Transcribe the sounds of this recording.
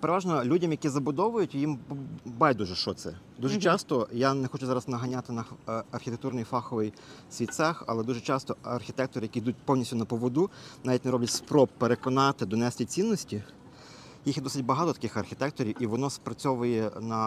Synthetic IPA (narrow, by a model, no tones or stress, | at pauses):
peɾeʋɑʒnɔlʲudʲɐmjɐkʲizɐbʊd̪ɔʋʊjʊtʲjimbajʲd̪uʒɛʃt͡ʃɔt̪sɛ̰ | d̪uʒɛt͡ʃɑst̪ɔjanɛxɔt͡ʃʊzɑɾɐznɐɦɐnʲat̪ɪnɐɐrxʲit̪ek̚t̪urnɪjfɑxɔʋɪj | sʲʋʲit͡s̪axɐ̰lˠɛd̪uʒɛt͡ʃɑst̪ɔɐrxʲit̪ɛk̚t̪ɔɾɪjɐkʲid̪ut̚ʲpɔwnʲisʲtʲʊnɐpɔʋɔd̪unɑʋʲitʲneɛɾɔbʲlʲɐtʲspɾɔppːeɾekɔnɑt̪ɪd̪ɔnɛsʲt̪ʲit͡sʲinːɔsʲtʲi | jixd̪ɔsɪt̚ʲbɐɦɑt̪ɔt̪ɐ̥kɪxɐrxʲɪt̪ɛk̚t̪ɔɾʲiwiʋɔnɔspɾɐt͡sʲɔʋʊjɛnɐ